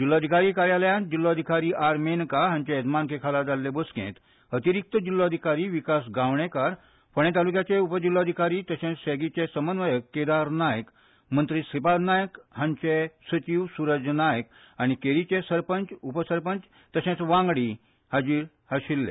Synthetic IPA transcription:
d͡ʑilːoəd̪ʱikaɾiːkaɾjaljãd͡ʑilːoəd̪ʱikaɾiːʔaɾmenkaɦãɲt͡ɕeed̪mankekʰalad͡zalːebəskḛ̃t̪ | ət̪iɾik̚t̪əd͡ʑilːoəd̪ʱikaɾiːʋikasɡaʋɳekaɾ | pəɳ̃et̪alukjat͡ɕeupəd͡ʑilːɔəd̪ʱikaɾiːt̪əɕẽt͡sseɡit͡ɕesəmənʋəjəkːed̪aɾnajək | mənt̪ɾiːsipad̪najəkhãɲt͡ɕesət͡ɕiːʋsuɾəd͡ʑənajək | aɽ̃ikeɾit͡ɕesəɾpənt͡ɕupəsəɾpəɲt͡s | t̪əɕẽt͡sʋãŋɡɽiː | had͡ʑiːɾ | haɕilːḛ

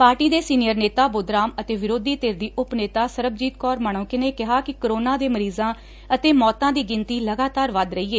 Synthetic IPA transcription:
paːɾʈiːd̪eːsiːnɪjəɾneːt̪aːboːd̪ɾaːmət̪eːʋɪɾoːd̪iːt̪eːɾd̪iːʔʊpneːt̪aːsəɾəb̚d͡ʒiːt̪kɔːɾmaːɳ̃õːkɪneːkɪɦaːkɪkəɾoːnãːd̪eːməɾiːzãː | ət̪eːmɔːt̪ãːd̪iːɡɪnt̪iːləɡaːt̪aːɾʋəd̪ɾəiːeː

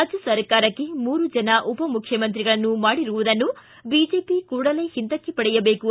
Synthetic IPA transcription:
ɐd͡ʒɐsɐɾkaːɾɐkːemuːɾud͡ʒɐnɐʔupɐmukʰjɐmɐnt̪ɾiɡɐɭɐnːumaːɽiɾuʋud̪ɐnːu | biːd͡ʒeːpikuːɽɐle̞ːhint̪ɐkːepɐɽɛjɐbeːku

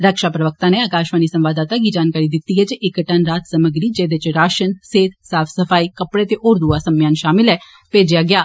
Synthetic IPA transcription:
ɾəkʃaːpɾəʋək̚t̪ãːneːaːkaːʃʋaːniːsə̃mʋaːd̪aːt̪aːkiːd͡ʒaːnkaːɾiːd̪ɪt̪ːiːɦɛːt͡ʃɪkʈənɾaːt̪səməɡɾiːd͡ʒeːd̪ɪt͡ʃɾaːʃənseːt̪saːpʰsəpʰaːiːkəpɽeːt̪eːʔoːɾd̪uaːsəmjaːnʃaːmɪlɦɛː | peːd͡ʒɪjaːɡɪjaː

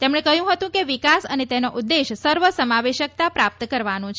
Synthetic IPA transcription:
t̪emɳ̃ekəɦjũɦət̪ũkeʋikasə̰net̪enoʔʊd̪ːeʃsəɾʋəsəmaʋeʃək̚t̪apɾap̚t̪əkəɾʋanũt͡ʃʰ

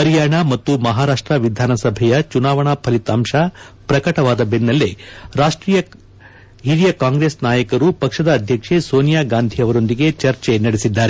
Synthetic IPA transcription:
pɐɾjaːɳɐmɐt̪ːumɐɦaːɾaːʂʈɾɐʋid̪ʱaːnɐsɐbʱɛjɐt͡ʃunaːʋɐɳapʰɐlit̪aːmʂɐpɾɐkɐʈɐʋaːd̪ɐbenːɐlːeɾaːʂʈɾiːjɐ | ɦiɾijɐkaːŋɡɾeːsnaːjɐkɐɾupɐkʂɐd̪ɐːd̪ʱjɐkʂesoːnijaːɡaːnd̪ʱiɐʋɐɾo̞nd̪iɡe̞t͡ʃɐɾt͡ʃenɐɽesid̪ːaːɾe

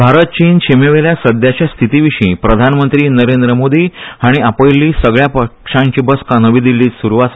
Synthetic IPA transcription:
bʱaɾət̪̚t͡ɕiːnt͡ɕemeʋeljasəd̪jat͡ɕjast̪ʰit̪iʋiɕĩːpɾəd̪ʱanmənt̪ɾiːnəɾend̪ɾəmod̪iːaɽ̃iapəjlːiːsəɡɭjapəkʂãɲt͡ɕibəskanəʋid̪ilːiːsuɾuʋas

